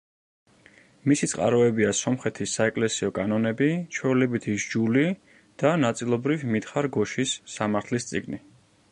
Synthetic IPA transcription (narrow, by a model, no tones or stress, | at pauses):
misit̪sʼqʼa̰ɾɔɛbiasɔmχɛt̪ʰisːaɛkʼlɛsiɔkʼanɔnɛbit͡ʃʰwɛulɛbit̪ʰiʒd͡ʒuli | d̪̥anat̪sʼilˠɔbɾivmit̪χaɾɡɔʃisːamaɾt̪ʰlist̪sʼiɡni